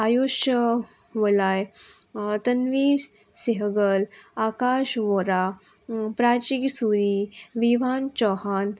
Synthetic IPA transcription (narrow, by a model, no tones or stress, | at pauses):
ajoʃə | ʋəlaːj | t̪ɐnʋiː | siɦəɡəlaːkaːʃʋoɾa | pɾaːt͡ʃiksuɾiʋiʋaːnt͡ʃɔhaːn